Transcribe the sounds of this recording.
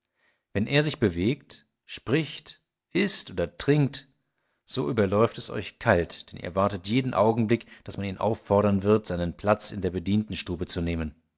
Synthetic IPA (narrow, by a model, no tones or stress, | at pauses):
vɛnʔeːɐzɪçb̥əveːkt | ʃpʁ̥ɪçt | ʔɪstʔoːdɐtʁ̥ɪŋk̚t | z̥oːʔyːbɐlɔʏftɛsʔɔ̰ʏçkʰaltd̥ɛnʔḭːɐvaɐtətjeːdn̩ʔaʊɡŋ̩blɪkd̥asmaniːnʔa̰ʊfːɔɐɾɐnvɪɐtz̥aɪnənpʰl̥at͡sɪ̰ndeːɐbədiːntn̩ʃtuːbət͡suneːmən